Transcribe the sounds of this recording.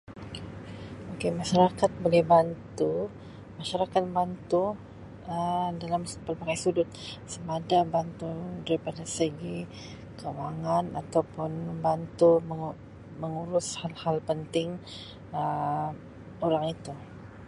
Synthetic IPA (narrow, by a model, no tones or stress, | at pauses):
okemaʃaɾakat̪̚bolɛhbant̪u | maʃaɾakat̪̚bant̪u | ədalampəlpakajsudʊt̪̚səmadabant̪udaɾipadasəɡi | kawaŋanat̪awpʊnbant̪um | məŋuɾʊshalhalpənt̪ɪŋ | ə | oɾaŋit̪u